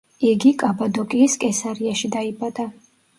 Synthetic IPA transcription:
iɡikʼabad̪ɔkʼiːskʼɛsaɾiaʃid̪aibad̪a

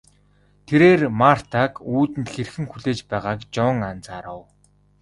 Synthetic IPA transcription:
t̪ʰeɾeːrmar̥t̪ʰakuːt̪ɘ̆nt̪xerxɘ̆ŋxuɮeːt͡ɕpæːʁaːkt͡ɕɔŋant͡saɾəw

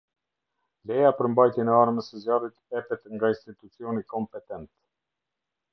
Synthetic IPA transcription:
lɛjapəɾmbajt̪jɛnɛaɾməsəzjalit̪ɛpɛt̪ŋɡainst̪it̪ut͡siɔnikɔmpɛt̪ɛnt̪

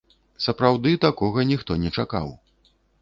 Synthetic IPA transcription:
sɐpɾawd̪ɨt̪akɔɣɐnʲixt̪ɔnʲɛt͡ʂaka̰w

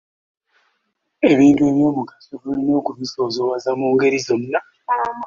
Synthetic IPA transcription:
e̞βiːntue̞βjo̞ːmukḁsoβulono̞ːkuβiso̞ːzo̞wazamuːŋɡe̞ɾizo̞nːa

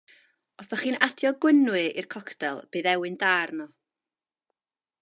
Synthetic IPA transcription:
ɔsðaχiːnatʰjɔɡwɪnwɨḭrkʰɔkʰtɛlˠb̥ɨːðɛwɨndaːrnɔ

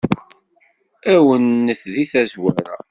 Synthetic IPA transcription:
æwənːəθðiθæzwæɾæ̰

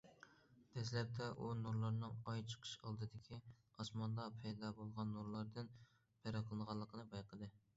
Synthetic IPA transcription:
d̪̥ɛslɛp̚t̪ʰɛʔunuɾlˠɑɾnɨŋɑjt͡ʃʰə̥qʰə̥ʃɑlˠd̪ɨd̪ɪkʲʰiɑsmɑnd̪ɑpʰɛjd̪ɑbolˠʁɑnːuɾlˠɑɾd̪ɨn | pʰɛɾɑqʰəlˠɨnʁɑlˠːəqʰənɨbɑjqʰəd̪ɨ

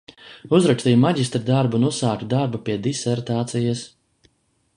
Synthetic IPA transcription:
uzɾakst̪ijmaɟʲist̪ɾid̪aɾbunusaːkd̪aɾbapiɛd̪isɛɾt̪aːt̪sijas

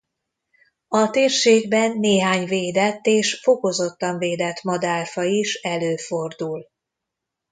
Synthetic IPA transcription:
ɒt̪eːrʃeːɡbɛnːeːɦaːɲveːd̪ɛt̪ːeːʃfo̞ko̞zo̞t̪ːɒɱveːd̪ɛt̪mɒd̪aːrfɒiʃɛløːfo̞rd̪ul

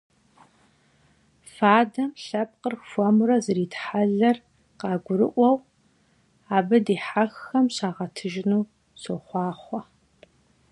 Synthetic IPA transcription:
faːdɐmɬɐp̚qərfʷɔmrɐzɨɾiːtħaɮɐr | qɑːɡʷʊɾɨ̰ʔʷɔw | aːbɨdiːħaxːɐmɕaːʁɐtʰɨʒɪnuː | soχʷɑːχʷɔ

